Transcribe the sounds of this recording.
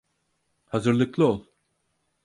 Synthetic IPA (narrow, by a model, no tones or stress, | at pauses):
hazɯɾlˠɯklˠɯolˠ